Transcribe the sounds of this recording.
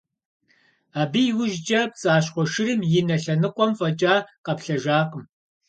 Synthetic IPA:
aːbijwʊʒt͡ʃʼɐpt͡sʼaːɕ̬χʷɔʃɪɾɨmjɪnɐɬɐnɨqʷʼɔmfʼɐt͡ʃʼaːqɐpɬɐʒaːqəm

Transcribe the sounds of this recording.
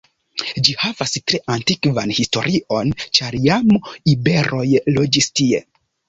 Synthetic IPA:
d͡ʒihavastɾe̞ʔantikvanhisto̞̰ɾʔio̞nt͡ʃaɾjamibe̞ɾo̞jlod͡ʒistie̞̰

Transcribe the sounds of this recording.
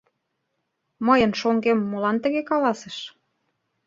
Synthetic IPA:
məjə̆nʃoŋɡemːolɑnt̪ə̆ɣekɑlɑsə̆ʃ

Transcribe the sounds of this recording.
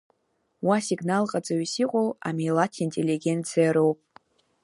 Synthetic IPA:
wasiɡnalqʼad͡zaɥisiqʷʼowa̰mijlatʰintʼeliɡʲe̞nt͡sʰijaɾowpʼ

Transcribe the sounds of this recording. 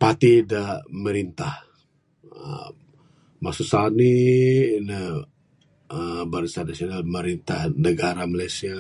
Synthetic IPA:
pat̪idaməɾint̪ah | ə̰ | masusani | nə | əbaɾisanasionalməɾint̪ahnəɡaɾamalajsia

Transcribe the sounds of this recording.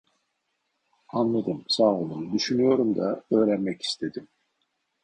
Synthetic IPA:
anlˠad̪ɯmsaːolˠunud̪yʃynyjo̞ɾumd̪aø̞ːɾænmɛci̥st̪ʰe̞d̪im

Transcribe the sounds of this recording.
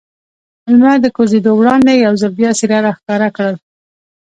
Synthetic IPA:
almad̪əkozed̪owɽɑnd̪ejawzəlbjɑsiɾaɾaxkɑɾakɽəl

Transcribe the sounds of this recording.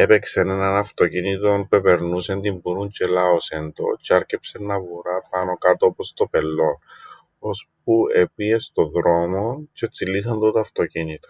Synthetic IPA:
e̞pe̞ksenenɐnɐft̪o̞cinit̪o̞npe̞pe̞ɾnuse̞nd̪imbuɾuɲt͡ʃe̞laose̞nd̪o̞̰t͡ʃeɐɾcepsenːɐvuɾapɐno̞kat̪oopost̪o̞pelːo̞n | o̞sp̚uepiest̪o̞ðɾo̞mo̞ce̞t͡silːis̬ɐnt̪ot̪oɐft̪o̞cinit̪o̥

